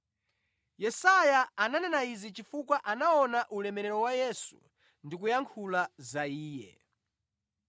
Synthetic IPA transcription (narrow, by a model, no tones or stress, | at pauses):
jɛsajaːnanɛnaizit͡ʃifukwaʔanaɔnaʔulɛmɛɾɛɾɔwajɛsṵ | ndik̬ujaŋkʰulazaiːjɛ̰